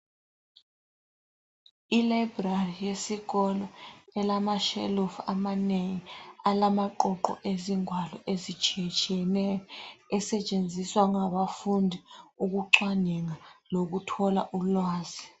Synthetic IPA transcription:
ilajbrarijesiɣɔlɔɛlamaʃɛ̰lɔfa̰maneŋialamaǃɔǃɔ̰ʔeziŋwalɔʔezit͡ʃʰʼiɛt͡ʃʼiɛnɛjɔɛsɛt͡ʃʼend͡zʱiswaŋaɓafundʱiuk̬uǃwaniŋalok̬utʰɔlaʔulwaːzi

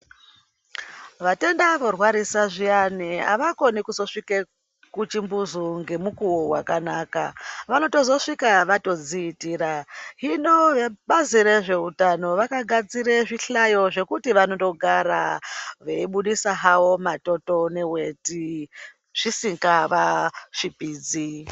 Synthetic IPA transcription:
ʋate̞ndaʋorwaɾisaʐiania̰ʋako̞nikuzo̞ʂike | kut͡ʃimbuzuŋɡe̞mukuwoɦwa̰kanaːka̰ʋano̞to̞zo̞ʂikaʋato̞d͡ziːtiːɾaɦino̞eɓaziɾeʐe̞utano̞ʋakaɡʱad͡ziɾeʐiɬajo̞ʐe̞kutiʋano̞to̞ɡʱaɾa̰ʋeiɓuɗisaɦawo̞mato̞to̞ne̞we̞ti | ʐ̥isiŋɡaʋaʂipiːd͡zi

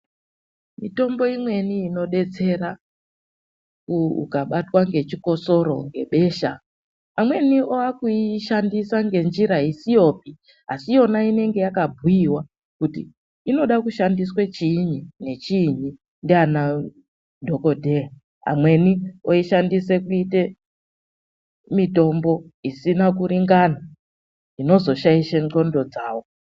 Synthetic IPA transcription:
mito̞mbo̞imwe̞niːno̞ɗe̞t͡se̞ɾa | kuṵkaɓatwaŋɡe̞t͡ʃiko̞so̞ɾo̞̰ŋɡe̞ɓe̞ːʃa | amwe̞nioakuiʃandisaŋɡe̞nd͡ʒiɾaisijo̞p̚i | asijo̞naine̞ŋɡe̞jakabʱujiwa | kutḭː | no̞ɗakuʃandiswet͡ʃiɲine̞t͡ʃiɲi | ndiana | dʱo̞ko̞dʱea | a̰mwe̞nio̞iʃandise̞kuite̞ | mito̞mbo̞isinakuɾiŋɡana | ino̞zo̞ʃaiʃeŋo̞ndo̞d͡zaːwo̞

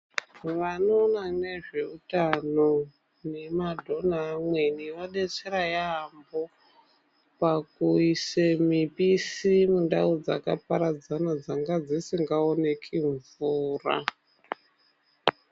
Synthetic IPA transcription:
ʋano̞nane̞ʐe̞utano̞ | ne̞madʱo̞naːmwe̞niʋaɗet͡seɾajambo̞ | pakuisemipisimundaud͡za̰ka̰paɾad͡zanad͡zaŋɡad͡zisiŋɡaone̞kʰiɱvuːra̰

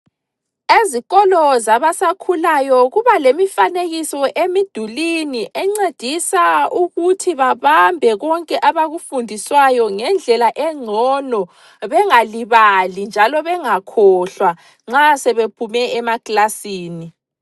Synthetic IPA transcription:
eziɣɔlɔzaβasakʰulajɔɣuβalemifaneɣisɔʔemid̥ʱuliniʔɛŋ͡ǀed̥ʱisauɣutʰiβaβambʱɛɣɔŋkʼɛʔaβaɣufundʱiswajɔŋɛnd͡ɮʱɛlaʔɛŋ͡ǀʱɔnɔ | βɛŋaliβalind͡ʒʱalɔβɛŋakʰɔɬwa | ŋ͡ǁasɛβepʰumɛɛmakʼlasiːni

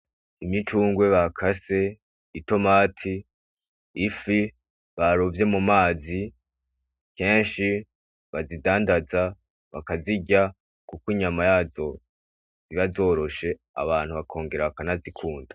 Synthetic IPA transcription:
imɲit͡ʃuːŋɡwe̞βakʰase̞ | ito̞maːtʰiː | fi | βaɾovje̞mumaːzi | ke̞ːnʃi | βazidaːndaza | βa̰kaziɟa | kukiɲamajaːzo̞ | z̥iβazo̞ːɾo̞ʃe̞ | a̰βaːn̥huβakʰo̞ːŋɡe̞ɾaβakanazikʰuːndḁ

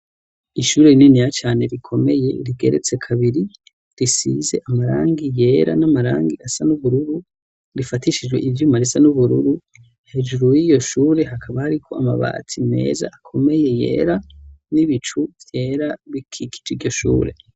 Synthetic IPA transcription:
iʃuːɾeininijat͡ʃaːne̞ɾikʰo̞me̞je̞ɾiɡe̞̰ɾe̞̰t͡se̞kʰaβiɾi | ɾisḭːze̞ʔamaɾa̰ːŋɡije̞ːɾa̰namaɾaːŋɡiasanuβuɾuɾu | ɾifatiʃid͡ʒɡwe̞̰ʔivjumaɾisanuβuɾuɾu | he̞d͡ʒuɾujijo̞ʃuːɾe̞ɦakʰaβahaɾikʰo̞ama̰βa̰ːt͡sʰine̞̰ːza̰ʔakʰo̞me̞je̞je̞̰ːɾaniβit͡ʃuvje̞ːɾaβikʰikʰi̥d͡ʒiɟo̞ʃṵːɾe̞̰

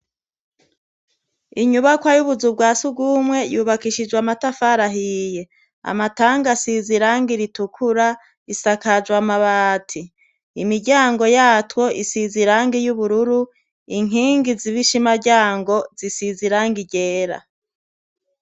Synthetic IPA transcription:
iɲuβakwajuβuzub̚ɡaːsub̚ɡuːmwe̞juːβakiʃid͡ʒwamatafaɾaɦije̞ | a̰mataːŋɡasiziɾaːŋɡiɾitukʰuɾa | isakad͡ʒɡwamaβaːtʰi | imiɾɟaːŋɡo̞jaːtwo̞ʔisiziɾaːŋɡijuβuɾuɾu | iŋ̥iːŋɡiziβiʃimaɾɟaːŋɡo̞zisiziɾaːŋɡiɟeːɾa̰

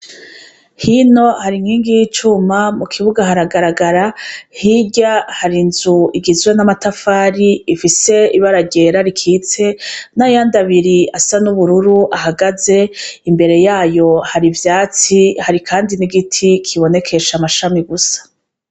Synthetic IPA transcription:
hino̞haɾiŋhiːŋɡijit͡ʃumamukʰiβuɡaɦaɾaɡaɾaɡaɾahiɟahaɾinzuiɡizwe̞namatafaːɾiːfise̞iβaɾaɟe̞ɾaɾikʰiːt͡se̞najaːndaβiɾiasanuβuɾuɾuʔaɦaɡaze̞imbe̞ɾe̞jaːjo̞haɾivjaːt͡sihaɾikʰaːndiniɡitʰikʰiβo̞ne̞kʰe̞ʃamaʃamiɡusḁ

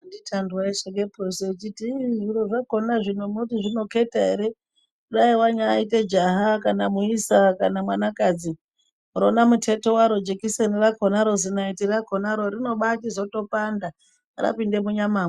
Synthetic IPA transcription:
nditʰandwaiseɡeproset͡ʃitiʐiɾoʐakonaʐinomuotiʐino̞ke̞taɦeɾe̞ | kuɗaiwaɲaːite̞d͡ʒaɦakanamuisakanamwanakad͡zi | ronamutʰe̞to̞waɾo̞d͡ʒekisenirakʰonaɾo̞zinaitirakʰonaɾo̞rino̞ɓatizo̞to̞panda | ra̰pinde̞muɲamaːme

